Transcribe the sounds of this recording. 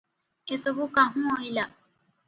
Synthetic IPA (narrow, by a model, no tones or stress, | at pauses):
esɔbukaɦũɦojla